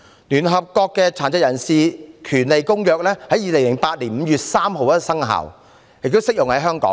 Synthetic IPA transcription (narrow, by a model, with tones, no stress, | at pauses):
nyː˨˩nɦɐ˨p̚kɔː˧kːɛː˧t͡sʰaː˨˩nt͡sɐ˧k̚jɐ˨˩nsiː˨kʰyː˨˩nle˨jkʊ˥ŋjœː˨˧k̚lɛː˥hɐ˨˥jiː˨˧le˨˩ŋlɪ˨˩ŋpaː˧t̚liː˨˩nm̩ː˨˧jyː˨t̚saː˥mɦo˨˧wjɐ˥sɐ˥ŋɦa̰ː˨˩w | jɪ˨k̚t̪o˥wsɪ˥k̚jʊ˨ŋhɐ˨˥jɦœː˥ŋkɔ̰ː˨˥ŋ